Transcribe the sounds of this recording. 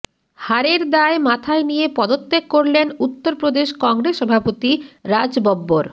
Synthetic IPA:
haɾeɾd̪aemat̪ʰaenijepɔd̪ot̪ːekkoɾlenut̪ːoɾpɾod̪eʃkɔŋɡɾesʃːɔbʱapot̪iɾad͡ʑbɔbːoɾ

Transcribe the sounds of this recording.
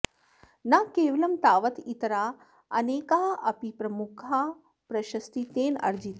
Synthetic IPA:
nakeːʋɐlɐmt̪aːʋɐt̪it̪ɐɾaː | ɐneːkaɦɐpipɾɐmukʰaː | pɾɐʃɐst̪it̪eːnɐ̰ɾd͡ʒit̪

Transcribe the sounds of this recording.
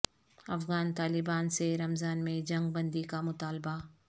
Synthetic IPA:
ɐfɣaːnt̪aːlɪbaːnseɾɐmzaːnmẽd͡ʒɐ̃ŋɡ̚bɐ̃nd̪ikamʊt̪aːlba

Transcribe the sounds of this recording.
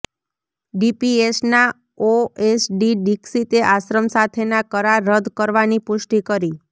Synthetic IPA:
ɖipiesna | oesɖiɖiksit̪eʔaʃɾəmsat̪ʰenakəɾaɾːəd̪kəɾʋanipʊʃʈikəɾi

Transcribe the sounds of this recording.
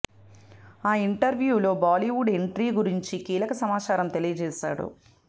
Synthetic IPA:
aːiɳʈɐɾʋjuːlo̞ːbaːliʋuɖe̞ɳʈɾiːɡuɾiɲt͡ʃikiːlɐkɐsɐmaːt͡ʃaːɾɐmt̪e̞lijɐd͡ʒɛːʃa̰ːɽṵ

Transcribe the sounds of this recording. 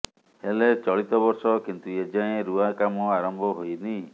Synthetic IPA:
helet͡ʃɔɭit̪ɔbɔɾsɔkint̪ued͡ʒãẽɾuakamɔaɾɔmbʱɔɦojni

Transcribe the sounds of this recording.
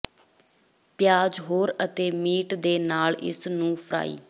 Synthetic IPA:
pjaːd͡ʒɦoːɾət̪eːmiːʈd̪eːnaːlɪ̰snũːpʰəɾa̰ːḭː

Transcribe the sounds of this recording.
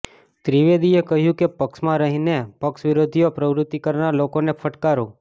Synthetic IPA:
t̪ɾiʋed̪iekəɦjũkepəkʃmãɾəɦinepəkʃʋɪɾod̪ʱijopɾəʋɾʊt̪ːikəɾnalokonefʰəʈkaɾũ

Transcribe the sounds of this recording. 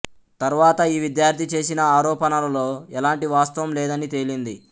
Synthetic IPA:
t̪ɐɾuʋaːt̪ɐiːʋid̪jaːɾd̪ʱit͡ʃe̞ːsinɐaːɾɔːpɐnɐlɐlo̞ːɛlaːɳʈiʋaːst̪ɐʋɐmlɛːd̪ɐnit̪e̞ːlind̪i

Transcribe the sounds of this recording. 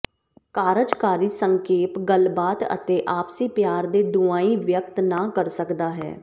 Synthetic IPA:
kaːɾəd͡ʒkaːɾiːsəŋkeːpɡəlbaːt̪ə̰t̪eːʔaːpsiːpjaːɾd̪eːɖʊaːiːʋjək̚t̪naːkəɾsəkd̪aːɦɛ̰ː

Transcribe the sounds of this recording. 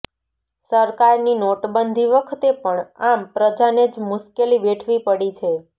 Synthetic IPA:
səɾkaɾninoʈbənd̪ʱiʋəkʰt̪epəɳampɾəd͡ʒaned͡ʒmʊʃkeliʋeʈʰʋipəɽit͡ʃʰe

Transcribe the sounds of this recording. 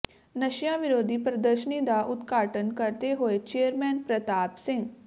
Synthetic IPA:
nəʃjãʋɪɾoːd̪ʱipɾəd̪əɾʃənid̪aʔʊt̪ɡaːʈənkɐɾt̪eɦoet͡ʃeːəɾmɛːnpɾət̪aːpsɪ̃ŋɡ

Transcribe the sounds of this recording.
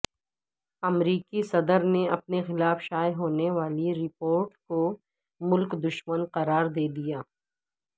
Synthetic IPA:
ɐmɾiːkisɐd̪əɾneɐp̚nexɪlaːfʃaːjɦoːneʋaːliɾɪpoːɾʈko | mʊlkd̪ʊʃmənqɐɾaːɾd̪eːd̪ijaː

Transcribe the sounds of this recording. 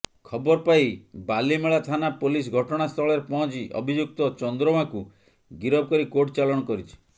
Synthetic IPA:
kʰɔbɔɾpajbalimeɭat̪ʰanapolis̬ɡʱɔʈɔɽ̃ast̪ʰɔɭeɾepɔɦɔ̃t͡ʃiʔɔ̰bʱid͡ʒuk̚t̪ɔt͡ʃɔnd̪ɾɔmaku | ɡiɾɔb̚kɔɾikoʈt͡ʃalɔɽ̃ɔkɔɾit͡ʃʰi̥

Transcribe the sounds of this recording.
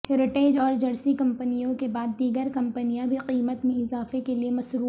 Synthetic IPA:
hɛːɾɪʈeːd͡ʒɔːɾd͡ʒɐɽsikɐ̃mpənijõkebaːd̪ːiːɡəɾkɐ̃mpənijãbʱiqiːmət̪mẽɪzaːfekeliemɐsɾuː

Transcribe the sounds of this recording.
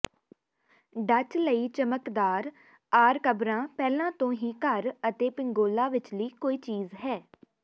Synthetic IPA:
ɖət͡ʃləiːt͡ʃəməkd̪aːɾ | aːɾkəbɾãːpɛːlãːt̪õːɦiːkəɾət̪eːpɪŋɡoːlaːʋɪt͡ʃləiːkoːiːt͡ʃiːzɦɛː

